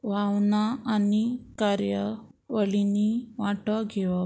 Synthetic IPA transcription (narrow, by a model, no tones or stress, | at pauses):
ʋawnaanikaɾjə | ʋəɭiniʋaʈəɡʱeʋa